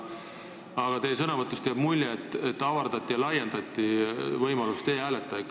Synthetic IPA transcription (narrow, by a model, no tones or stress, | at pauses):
ɑɡ̥ɑt̪e̞jsɤnɑvɤt̪ːˑust̪eɑb̥mulʲjeet̪ːet̪ːɑvɑrd̪̥ɑt̪ʲːˑijɑlɑjend̪̥ɑt̪ʲːˑivɤjmɑlust̪eːæːlet̪ːˑɑk